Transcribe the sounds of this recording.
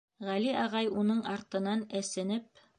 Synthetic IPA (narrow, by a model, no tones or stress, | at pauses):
ʁæliɑʁɑjunɤɴɑɾt̪ɤ̆nɑnæsɘ̆nɘp̚